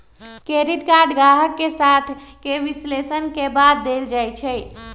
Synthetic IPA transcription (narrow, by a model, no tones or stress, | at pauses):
keɾit̪kaɖɡaɦəkːesat̪ʰkeʋislesənkebad̪̚ːeld͡ʒajt͡ʃʰɛ